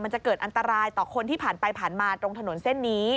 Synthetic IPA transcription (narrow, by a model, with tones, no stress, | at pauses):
ma˧nt͡ɕa˨˩kɤː˨˩t̪ʔa˧nt̪a˧ɾaː˧jt̪ɔː˨˩kʰo˧nt̪iː˥˩pʰaː˨˩npa˧jpʰaː˨˩nmaː˧t̪ɾo˧ŋt̪ʰa˧no˩˦nse˥˩nːiː˦˥